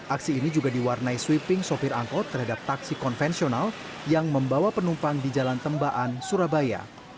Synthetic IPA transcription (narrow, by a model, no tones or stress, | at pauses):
ʔaksiːnid͡ʒuɡadiwarnaiswipɪŋsopɪɾaŋkɔt̪ərɦadap̚t̪aksikɔnfɛnsional | jaŋməmbawapənumpaŋdid͡ʒalant̪əmbaʔansuɾabaja̰